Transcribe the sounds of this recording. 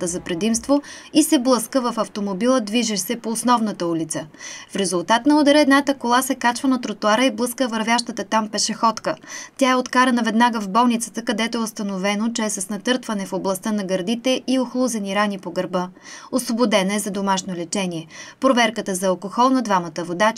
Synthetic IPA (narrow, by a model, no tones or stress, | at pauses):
t̪əzɐpɾɛd̪imst̪voisɛblˠɤskəvɐfɐft̪omobilˠəd̪viʒɛsɛpoːsnɔvnət̪əulit̪səfɾɛzʊlˠt̪at̪nɐod̪ɐɾɛɛd̪nat̪əkolˠasɛkat͡ʃvənɐt̪ɾot̪ʊaɾəiblˠɤskəvɐɾvjaʃt̪ət̪ət̪ampɛʃɛxɔt̪kət̪ʲaɛot̪kaɾənɐvɛd̪naɡəvbɔlˠnit̪sə̥t̪əkɐd̪ɛt̪oɛʊst̪ɐnovɛnot͡ʃɛɛsɐsnɐt̪ɤɾt̪vɐnɛfoblˠɐst̪ənɐɡɐɾd̪it̪ɛʔioxlˠuzɛniɾanipoɡɐɾbɤosvobod̪ɛnɐɛzɐd̪omaʃnolɛt͡ʃɛniɛpɾovɛɾkət̪əzɐɐlˠkoxɔlˠnɐd̪vamɐt̪əvod̪a